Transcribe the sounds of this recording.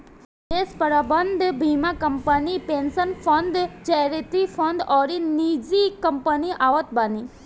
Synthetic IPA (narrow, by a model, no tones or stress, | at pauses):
espəɾabənd̪bʱimakəmpənipensənfʰɔnd̪t͡ʃajɾit̪ifɔ̃nd̪ɔɾinid͡ʒikəmpəniʔaʋət̪bani